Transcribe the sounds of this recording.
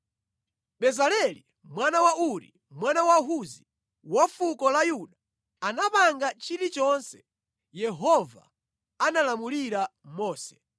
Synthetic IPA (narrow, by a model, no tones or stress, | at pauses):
ɓɛzalɛli | mwanawauɾḭ | mwanawaɦuzi | wafukɔlajuɗaː | napaŋɡat͡ʃiɾit͡ʃɔnsɛ̥ | jɛɦɔva̰ | analamuliɾamɔːsɛ̥